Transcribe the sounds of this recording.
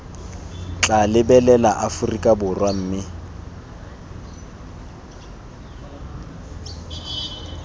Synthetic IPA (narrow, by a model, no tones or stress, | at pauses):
t͡ɬʼalɪbɛlɛlaʔafʊrikʼabʊrwam̩ːmɪ